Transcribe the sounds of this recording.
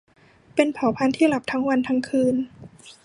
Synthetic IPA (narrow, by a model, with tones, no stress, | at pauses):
pe˧npʰaː˩˦wpʰa˧nt̪ʰiː˥˩la˨˩p̚t̪ʰa˦˥ŋwa˧nt̪ʰa˧˥ŋkʰɯː˧n